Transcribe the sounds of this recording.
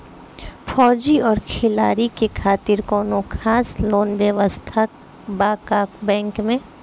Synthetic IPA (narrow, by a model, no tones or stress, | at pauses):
fʰɔːd͡ʒiɔːɾkʰɪlaːɾikekʰaːt̪ɪɾkɔːnokʰaːsloːnʋɛʋəst̪ʰək̚ | baːkaːkbɛ̃ːŋkmẽ